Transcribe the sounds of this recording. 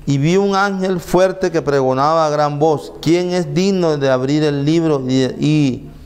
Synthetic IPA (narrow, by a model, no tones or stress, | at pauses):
iβjiuŋaŋxelfweɾt̪ekepɾeɣonaβaɣɾamboskjeŋesd̪iɡnoðeaβɾiɾelːiβɾoi